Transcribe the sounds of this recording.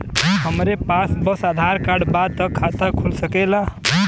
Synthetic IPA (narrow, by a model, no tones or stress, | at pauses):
ɦəmɾepasbəsad̪ʱaɾkaɖbad̪̚t̪əkʰːat̪əkʰulsəkɛla